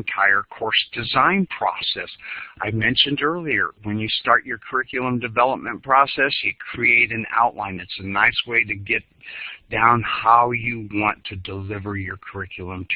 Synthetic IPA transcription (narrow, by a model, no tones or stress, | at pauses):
ntʰaɪə˞kʰɔɹsd̥ɨzãɪ̃npʰɹ̥ɔ̰sɛsʔaɪmɛ̃nʃɨ̃ndɜ˞lˠiə̰˞wɨ̃njɨstɑɹt͡ʃə˞kʰə˞ɪkjl̩ˠə̃mdɨvɛlˠəp̚mɨ̃npʰɹ̥ɔsɛsjɨkʰɹ̥ieɪɾɨ̃na̰ʊʔˡlãɪ̃nɨtsɨnaɪsweɪɾɨɡɛt̚d̥ãʊ̃nhaʊjɨwɑ̃ntʰɨdəlɪvə˞jə˞kʰə˞ɪkʰjl̩ˠə̃mtʰ